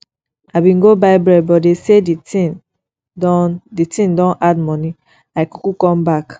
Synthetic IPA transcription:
aɪbĩnɡobaɪbɹɛbɔdesedii | ditĩndɔ̃nʔadmɔni | laɪku̥kukɔ̃mbak

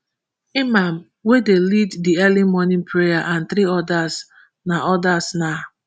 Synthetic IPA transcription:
imam̩ | wedeliddiɛlimɔnɪ̃npʰɹejaʔãnt̪ɾiɔdas | naɔdasna

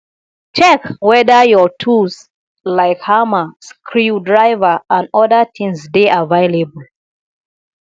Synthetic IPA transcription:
t͡ʃɛkwɛðəjɔtʰus | laɪkhaməskʰɹudɹaɪvəãndɔðətʰĩŋsdeʔavaɪlebəl

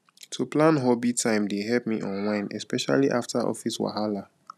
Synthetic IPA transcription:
tʰuplãnɦɔbitʰãɪ̃mdeɦɛlp̚miʔɔ̃nwãɪ̃nɛspɛʃa̰liʔaftaʔɔ̰fiswa̰ɦala

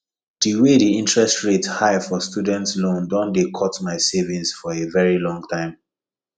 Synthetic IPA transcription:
d̥iwediĩntɹɛstɹethaɪfɔstjudɛ̃ntslõndɔ̃ndekʰɔtmaɪsevĩnsfɔevɛɹilɔ̃ŋɡtʰãɪ̃m

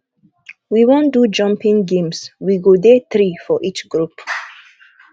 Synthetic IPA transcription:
wiwõndud͡ʒʌ̃mpĩŋɡẽmswiɡodeθɾifɔʔit͡ʃɡ̥ɹup

